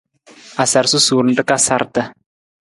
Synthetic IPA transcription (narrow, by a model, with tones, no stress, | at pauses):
a˨sa˨ɾsu˦su˨ɾn̩˦də˦ka˦sa˦ɾt̪a˦